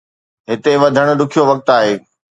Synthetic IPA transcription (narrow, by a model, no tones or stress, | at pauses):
ɦɪt̪eʋɐd̪ʱəɽ̃ʊ̆ɗ̪ʊkʰijoʋɐk̚t̪aːɦeː